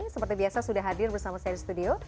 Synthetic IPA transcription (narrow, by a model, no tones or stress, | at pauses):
səpərt̪ibiasasudaɦadɪrbərsamasaaɾisə̥t̪udio